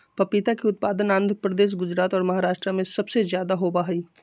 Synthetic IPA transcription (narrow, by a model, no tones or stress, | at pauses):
pɐpit̪akiʊt̪̚paːd̪ənãːnd̪ʱəpɾəd̪eːʃ̬ɡʊd͡ʒɾaːt̪ɔːɾmɐɦaːɾaːʃʈɾəmẽsɐbsezjaːd̪aɦobaːɦiː